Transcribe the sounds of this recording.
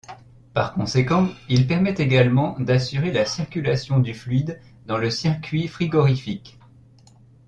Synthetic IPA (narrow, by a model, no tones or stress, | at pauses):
paʁkɔ̃sekɑ̃ilpɛʁmɛt̪eɡalmɑ̃d̪asyʁelasiʁkʲylasjɔ̃d̪yflyɥid̪ | d̪ɑ̃ləsiʁkʲɥifχiɡɔʁifik